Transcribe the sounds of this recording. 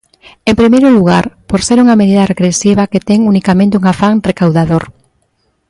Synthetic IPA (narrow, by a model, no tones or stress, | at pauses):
empɾimejɾʊluɣ̞aɾpoɾseɾuŋɐmeðiðɐreɣɾesiβ̞ɐket̪ɛŋunikamẽnt̪euŋafaŋrekawðaðoɾ